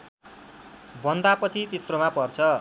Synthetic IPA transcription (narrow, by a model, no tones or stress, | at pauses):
bʌnd̪apʌt͡sʰit͡sit̪rʌmapʌrt͡sʰʌ